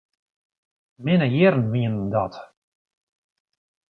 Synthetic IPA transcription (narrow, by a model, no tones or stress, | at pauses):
mɪnəjɪrnviəndɔt